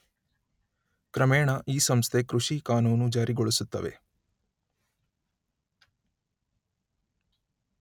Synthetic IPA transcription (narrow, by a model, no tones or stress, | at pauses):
kɾɐmeːɳɐʔiːsɐmst̪ʰe̞kɾuʂikaːnuːnud͡ʒaːɾiɡɔɭisut̪ːɐ̰ʋe̞̰